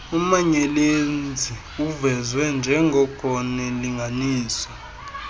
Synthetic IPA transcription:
umaɲɛlend͡zʱi | uvɛzwɛnd͡ʒʱɛŋɡʱɔkʰɔnɛliŋɡʱaniːsɔ̥

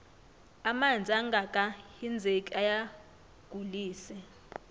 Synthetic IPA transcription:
amand͡zʱiaŋɡʱakʼahind͡zʱekʼiaja | ɡ̥ʱuliːsɛ

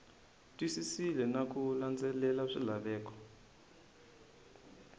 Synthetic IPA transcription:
tʼwisisilɛnak̬ʼuland͡zɛlɛlaʂilaɓɛːk̬ɔ̥

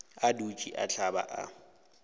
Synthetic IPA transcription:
adut͡ʃʼiʔa̰ɬʰaba̰ʔa

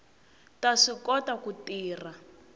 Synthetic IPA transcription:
taʂikɔtakutiːra

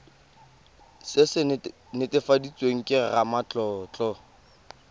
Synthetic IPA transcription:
sɪsɪ | nɪtɪfadit͡sʼweŋ̩kʼɪramat͡ɬʼɔːt͡ɬʼɔ

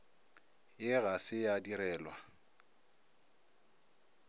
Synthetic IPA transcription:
jɪɣasɪjadiɾɛːlwa

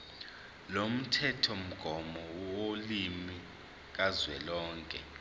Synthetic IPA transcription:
lom̩tʰɛtʰɔm̩ɡ̥ʱɔmɔolimi | k̬azwɛlɔːŋkʼɛ

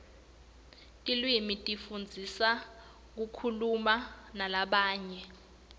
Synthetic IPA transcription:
kʼilwimitʼifund͡zʱisa | k̬ukʰulumanalaɓaːɲɛ

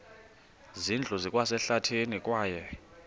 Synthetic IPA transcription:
zind͡ɮʱɔzikʼwasɛɬatʰenikʼwaːjɛ

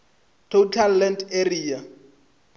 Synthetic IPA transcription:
tʰotʰalːɛnderiːa

